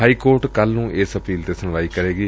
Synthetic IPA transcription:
aːiːkoːɾʈkəlnũːʔɪsəpiːlt̪eːsənʋaːiːkəɾeːɡiː

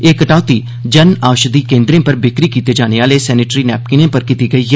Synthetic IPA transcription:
eːkəʈaːʊt̪iː | d͡ʒənaːʃd̪iːkẽːnd̪ɾẽːpəɾbɪkɾiːkiːt̪eːd͡ʒaːneːaːleːsɛːnɪːʈɾiːnɛːp̚kɪnẽːpəɾkit̪iːɡəiː

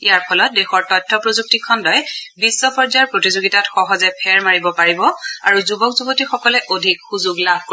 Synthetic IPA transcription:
ijaɹpʰɔlɔt̚dexɔɹtɔjtʰːɔpɹozuk̚tikʰːɔndɔjbisːɔpɔɹzaɹpɹotizoɡitatxɔɦɔzɛpʰɛɹmaɹibɔpaɹibɔa̰ɹuzubɔkzubotixɔkɔlɛʔodʱikxuzuɡlabʱko

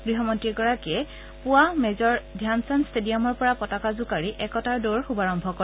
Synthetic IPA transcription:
ɡ̥ɹiɦɔmɔntɹiɡɔɹakɛ | pʊwamɛzɔɹdʱjansanstedijamɔɹpɔɹapɔtakazʊkaɹiʔɛkɔtaɹdoɹxubaɹɔmbʱɔkɔ

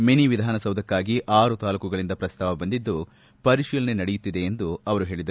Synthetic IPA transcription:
meniʋid̪ʱaːnɐsɐwd̪ʱɐkːaːɡiʔaːɾut̪aːlukɐɡɐɭind̪ɐpɾɐst̪ʰaːʋɐbɐnd̪id̪ːu | pɐɾiʃiːlɐne̞nɐɽejut̪ːid̪e̞ːnd̪uɐʋɐɾuɦe̞ːɭid̪ɐ

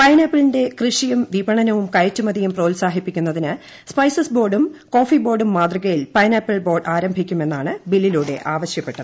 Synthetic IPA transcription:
pɐjnɐpːilinde̞krɨʂijumʋibɐɳɐnɐʋumkɐjɐtːumɐd̪ijumproːlsaːɦipːikʲːunːɐðinɨ | spɐjsɐsbo̞ːrɖumko̞ːfibo̞ːrɖumːaːd̪rɐɣɐjilpɐjnɐpːiɭbo̞ːrɖaːɾɐmbʱikʲːume̞nːaːɳɨbilːiluːɽe̞ʔaːʋɐɕjɐpːe̞ʈːɐðɨ

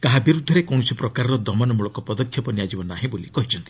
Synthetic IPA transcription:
kaɦabiɾud̪ʱːɔɾekɔw̃ɔsipɾɔkaɾɔɾɔd̪ʱɔmɔnɔmuɭɔkɔpɔd̪ɔkʰːjɔpɔnijad͡ʒibɔnaɦĩbolikɔɦit͡ʃʰɔnt̪i

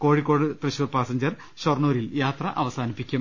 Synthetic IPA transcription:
ko̞ːɻikːo̞ːɽɨt̪rɨɕuːrpaːsɐɲd͡ʑɐr | ɕornuːɾiljaːt̪rɐʔɐʋɐsaːnipːikʲːum

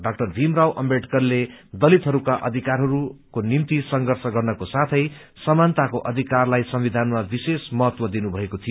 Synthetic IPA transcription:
ɖak̚ʈʌrbʱimrɾawʔʌmbeʈkʌrled̪ʌlit̪ɦʌɾukaʔʌ̰d̪ʱikarɦʌɾukonimt̪isʌŋɡʌrsʌɡʌrnʌkosat̪ʰʌj | sʌmant̪akoʔʌd̪ʱikarlajsʌmbid̪ʱanmabisesmʌɦʌt̪wʌd̪inubʱʌekot̪ʰijo

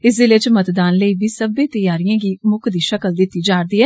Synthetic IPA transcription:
ɪsd̪eːlɪt͡ʃmət̪d̪aːnləiːbiːsəbẽːt̪əjaːɾijãːɡiːmʊkd̪iːʃəkəld̪ɪt̪ːiːd͡ʒaːɾd̪iːɛː

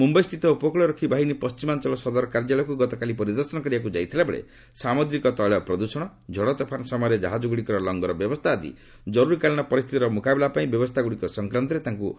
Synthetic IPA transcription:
mumbɔjst̪ʰit̪ɔupɔkɭɔɾɔkʰibʱaɦinipɔst͡ʃimant͡ʃɔlɔsɔd̪ɔɾɔkaɾd͡ʒalɔkuɡɔt̪ɔkalipɔɾid̪ɔɾsɔnɔkɔɾibakud͡ʒajt̪ʰilabeɭḛ | samod̪ɾikɔt̪ɔɭɔpɾɔd̪usɔɽ̃ɔ | d͡ʒʱɔɽɔt̪ɔpʰanɔsɔmɔjɔɾed͡ʒaɦad͡ʒuɡɽikɔɾɔlɔŋɡɔɾɔbjɔbɔst̪ʰaːd̪ḭ | d͡ʒɔɾuɾikaliñɔpɔɾist̪ʰit̪iɾɔmukabilapaĩbjɔbɔst̪ʰaɡuɽikɔsɔŋkɾant̪̬ɔɾet̪aŋku

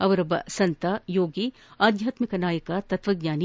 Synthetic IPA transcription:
ɐʋɐɾɐbɐ̰sɐ̃nt̪ajoːɡiː | aːd̪ʱjaːt̪mɪkɐnaːjəkat̪ɐt̪ʋɐɡɲaːni

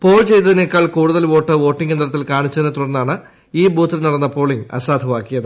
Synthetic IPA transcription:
po̞ːɭt͡ɕe̞jt̪ːɐðine̞kːaːɭkuːɽuðɐlʋo̞ːʈːɨʋo̞ːʈːiŋɡe̞nd̪rɐt̪ːilkaːɳit͡ɕːɐðinːɨt̪uɽɐnːaːɳɨ | iːbuːt̪ːilnɐɽɐnːɐpo̞ːɭiŋɐ̰saːd̪ʱɐʋaːkːijɐðɨ

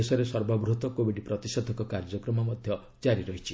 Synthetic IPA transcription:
esɔɾesɔɾbɔbɾut̪ɔkobiɖipɾɔt̪isɔd̪ʱɔkɔkaɾd͡ʒɔkɾɔmɔmɔd̪ʱjɔ | d͡ʒaɾiɾɔɦit͡ʃʰi̥

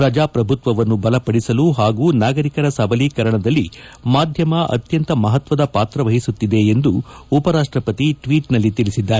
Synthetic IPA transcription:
ɾɐd͡ʒaːpɾɐbʱut̪ʋɐʋɐnːubɐlɐpɐɽisɐluɦaːɡuːnaːɡɐɾikɐɾɐsɐbɐliːkɐɾɐɳɐd̪ɐlːimaːd̪ʱjɐmɐʔɐ̰t̪jɐnt̪ɐmɐɦɐt̪ʋɐd̪ɐpaːt̪ɾɐʋɐɦisut̪ːid̪e̞ːnd̪uːpɐɾaːʂʈɾɐpɐt̪iʈʋiːʈnɐlːit̪ilisid̪ːaːɾe

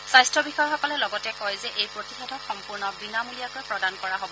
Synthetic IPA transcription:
sajstɹɔbixɔjxɔkɔlɛlɔɡɔtɛkɔjzɛʔejpɹotixedʱɔxɔmpuɹnɔbinamulijakojpɹɔdankɔɹaɦobɔ

